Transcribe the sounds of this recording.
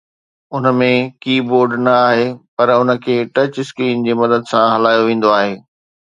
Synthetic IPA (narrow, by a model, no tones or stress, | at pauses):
ʊnə̆mẽkiːboːɾɖnɐaːɦepɐɾʊnə̆kʰeːʈɐt͡ɕskɾiːnd͡ʑeːmɐd̪əd̪sãɦɐlaːjoʋẽːn̆d̪oaːɦeː